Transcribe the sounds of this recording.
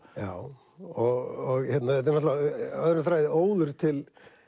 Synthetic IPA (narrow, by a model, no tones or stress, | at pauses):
jaːw | ɔɣɔɣçɛt̪naθɛt̪ɛɾnɔt̪laaœðɾnθɾaːjðɪoːwðʏɾ̥t̪ʰɪl